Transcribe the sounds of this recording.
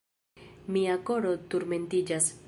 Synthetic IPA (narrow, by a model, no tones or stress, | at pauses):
miako̞ɾo̞tuɾme̞ntid͡ʒas